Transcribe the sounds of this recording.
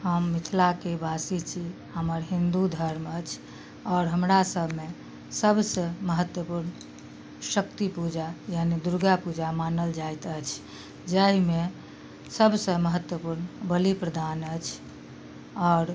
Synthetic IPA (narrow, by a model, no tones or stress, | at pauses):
həmːit̪ʰlakebasit͡ʃʰi | həməɾɦĩnd̪ud̪ʱəɾmət͡ʃʰ | ɔːɾɦəmɾasəbʱme | səbsə̃məɦət̪wəpuɾn | ʃəkt̪ipud͡ʒajanid̪uɾɡapud͡ʒamanəld͡ʒajt̪ət͡ʃʰ | d͡ʒəɦime | səbʱsə̃məɦət̪wəpuɾnbəlipɾəd̪ʱanət͡ʃʰ | ɔːɾ